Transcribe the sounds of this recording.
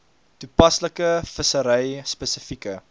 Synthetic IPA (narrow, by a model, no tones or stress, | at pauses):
tupɐsləkəfəsəɾɛjspəsəfikə